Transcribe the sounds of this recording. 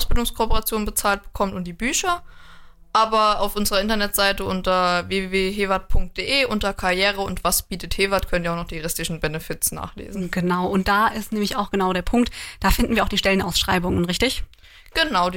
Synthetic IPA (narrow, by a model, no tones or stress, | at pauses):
ʔaʊsb̥ɪldʊŋskʰopəʁat͡sjoːnbət͡saːlt̚b̥ə̥kʰɔmtʊmtd̥iːbyːçɐ | ʔaːbɐaʊfʔʊnzəʁɐɪntɐnɛtz̥aɪtəʔʊntɐveːveːveːɦeːvat̚pʰʊŋk̚t̚d̥eːʔeːʔʊntɐkʰaʁjeːʁəʊntv̥asb̥iːtətheːvatkʰœnəniɐaʊxnɔχd̥iːjʁɪstlɪʃn̩bɛnəfɪtsna̰ːχlḛːzn̩ɡ̥ənaʊʔʊnt̚d̥aːʔɪstnɛːmlɪçaʊxɡ̥ənaʊɾeːɐpʰʊŋk̚td̥aːfɪndn̩viɐaʊd̥iːʃtɛlənʔa̰ʊsʃʁ̥a̰ɪbʊŋənʁɪçtɪç | ɡ̥ənaʊ